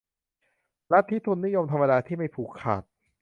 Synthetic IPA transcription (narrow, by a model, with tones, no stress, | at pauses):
la˦˥t̪ʰːi˦˥˩t̪ʰu˧nːi˦˥jo˧mt̪ʰa˧ma˧daː˧t̪ʰiː˥˩ma˥˩jpʰuː˨˩kʰːa̰ː˨˩t̪̚